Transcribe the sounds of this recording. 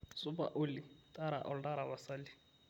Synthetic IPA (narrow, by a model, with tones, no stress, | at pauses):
sʊpa̰ʔʊli˨tʼaɾa̰˨ʔɔlta˦ɾa˨βa˨sali˦